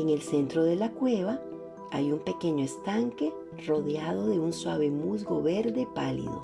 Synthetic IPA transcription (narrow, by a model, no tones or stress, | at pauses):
eŋe̞lse̞nt̪ɾoðe̞lakwe̞βa | ajumpe̞ke̞ɲoest̪aŋke̞ | ro̞ðjað̞o̞ðe̞unswaβe̞muzɡo̞βe̞ɾðe̞palḭðo̞̰